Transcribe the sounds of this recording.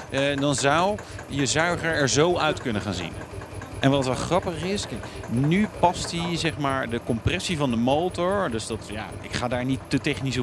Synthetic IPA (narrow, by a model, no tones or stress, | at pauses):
dɑnzʌwjəzœɥχəɹɛɹzowœɥtkɵnəχaːnzḭnʔɛnʋɑtʋɛlˠχrɑpəχɪsknypɑstizɛχmaːɹdəkɔmprɛsivɑndəmowtɔɹdɵsdɑtja̰ːɪ̰kχaːdaːɹnitːətɛχnis